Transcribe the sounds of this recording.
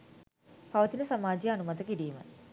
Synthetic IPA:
pɐʋɐt̪inɐsɐmaːd͡ʒijɐɐnumɐt̪ɐkiɾijumɐ̰

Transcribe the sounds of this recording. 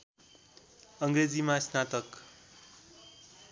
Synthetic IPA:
ʌŋɡred͡zimãsnat̪ʌk

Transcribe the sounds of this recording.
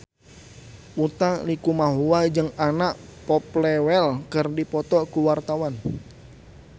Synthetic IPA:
ʔut̪alikumaɦuwad͡ʒɨŋanaʔpɔplɛwɛlkərdipɔt̪ɔkuwart̪awan

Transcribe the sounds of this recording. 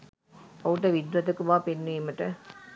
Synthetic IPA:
ɐuʈəʋid̪ɾɐt̪ɐkuʋaːpenːiːməʈə

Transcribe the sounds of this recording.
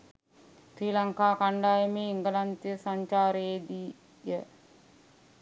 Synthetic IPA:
sɾiːlaŋkaːkaɳɖaːjəmeːiŋɡəlant̪jəsaɲt͡ʃaːɾeed̪i | jə

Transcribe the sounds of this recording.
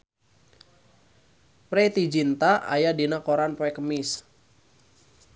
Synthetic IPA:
pɾɛt̪id͡ʒint̪aa̰jadinakoɾanpɛkəmɪs

